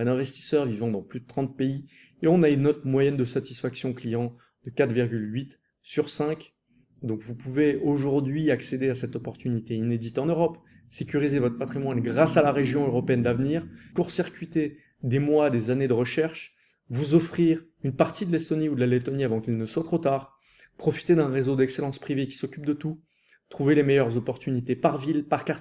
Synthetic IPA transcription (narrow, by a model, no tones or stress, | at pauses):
ɛd̪ɛ̃vɛst̪i̥sœʁvivɑ̃d̪ɑ̃plyd̪ət̪χɑ̃t̪̚pei | eɔ̃naynːɔt̪mwajɛnd̪əsat̪i̥sfaksjɔ̃klijɑ̃ | d̪̥əkat̪χviʁɡʲylɥit̪ | syʁsɛ̃k | d̪ɔ̃kvupuveoʒuʁd̪ɥiaksed̪easɛt̪ɔpɔʁt̪ynit̪eined̪it̪ɑ̃nøʁɔp | sekʲyʁizevɔt̪χəpat̪χimwanɡʁasalaʁeʒjɔ̃øʁɔpeɛnd̪avniːʁkuʁsiʁkʲɥit̪e | d̪emwad̪ezaned̪əʁəʃɛʁʃ | vuzɔfχiʁ | ynpaʁt̪id̪əlɛst̪ɔniud̪əlalet̪ɔniavɑ̃kʲilnəswat̪χot̪aːʁ | pχɔfi̥t̪ed̪ɛ̃ʁezod̪ɛkselɑ̃spχivekʲi̥sɔkʲyp̚d̪ət̪u | t̪χuvelemɛjœʁzɔpɔʁt̪ynit̪epaʁvilpaʁkaʁt̪